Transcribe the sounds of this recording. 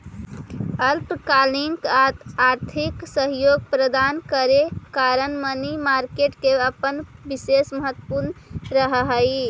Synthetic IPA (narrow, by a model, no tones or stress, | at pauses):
əlpkaliŋkat̪aɾt̪ʰiksəɦjoɡ̚pɾəd̪ankəɾekaɾənmənimaɾkeʈkeəpənbisesməɦət̪ːəpuɾnɾəɦɦəj